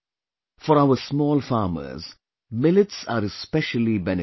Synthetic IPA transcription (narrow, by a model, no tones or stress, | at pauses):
fɔɾaʊəsmɔːlfaːmə̰z | mɪlɪʈsaːɾɪspɛʃəlibɛnɪ